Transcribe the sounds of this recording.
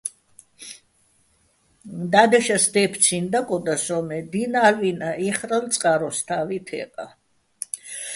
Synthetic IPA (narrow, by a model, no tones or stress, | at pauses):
d̪ad̪ɛʃasd̪ɛpʰt̪sʰind̪akʼɔd̪asɔmɛd̪inalvinaʔiχɾalt̪sʼqʼaɾɔst̪ʰavit̪ʰɛ̰qʼa